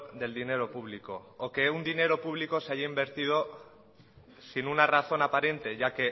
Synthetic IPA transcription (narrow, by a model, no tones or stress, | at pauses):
d̪e̞ld̪ine̞ɾo̞puβ̞liko̞ːke̞und̪ine̞ɾo̞puβ̞liko̞seaʝaimbe̞ɾt̪ið̞o̞ | sinunaraθo̞napaɾe̞nt̪e̞ʝake̞